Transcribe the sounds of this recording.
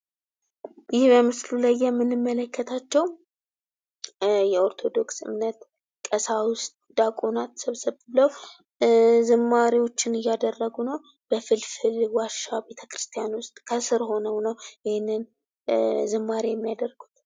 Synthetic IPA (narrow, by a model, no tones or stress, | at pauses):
jɪhbəmɨslulajːɛmːɨnːɨmːələkːət̪ʰat͡ʃːɛw | jɛo̞ɾt̪ʰo̞d̪o̞ksɨ̰mnət̪ | kʼəsawʊst̪̚ʼd̪̥akʼonat̪səβsəβbɨləw | zɨmːaɾiwo̞t͡ʃːɪnɨjːad̪ərːəɡunəw | b̥əfɨlfɨlwaʃabe̞t̪ʰə̥kɾɨst̪ʰjanwʊst̪ʼkʰəsɨɾho̞nəwnəwjɪhɪnːɨn | zɨmːaɾijɛmːijad̪ərɡu̥t̪